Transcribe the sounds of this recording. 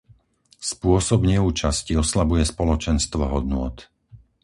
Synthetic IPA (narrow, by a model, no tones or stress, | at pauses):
spʊɔsɔbɲɛuːt͡ʃasciɔslabujɛspɔlɔt͡ʃɛnst̪ʋɔɦɔd̪nʊɔt̪